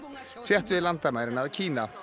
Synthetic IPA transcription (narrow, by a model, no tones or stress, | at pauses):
fʰjɛht̪ʏɪlant̪amajɾɪnaðcʰiːna